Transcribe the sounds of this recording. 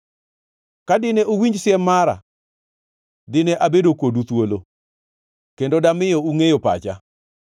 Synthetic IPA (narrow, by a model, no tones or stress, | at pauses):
kadɪnɛʔowiɲd͡ʒsɪɛmaɾa̰ | dɪnɛʔabedokodut̪wolo | kendodamɪjouŋejopa̰t͡ʃa̰